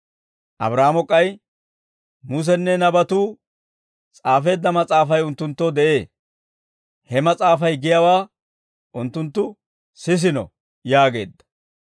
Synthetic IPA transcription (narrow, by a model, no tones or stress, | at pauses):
ʔɐ̰bɾaːmɔkʼːɐj | mus̬ɛnːɛnɐbɐt̪uː | t͡sʼaːfe̞ːd̪ːɐmɐt͡sʼaːfɐjʊnt̪ːʊnt̪ːɔd̪ɛʔe̞ː | hɛmɐt͡sʼaːfɐjɡɪjɐwaː | ʔʊnt̪ːʊnt̪ːʊ | sɪs̬ɪnɔ̰ | jaːɡe̞ːd̪ːɐ̥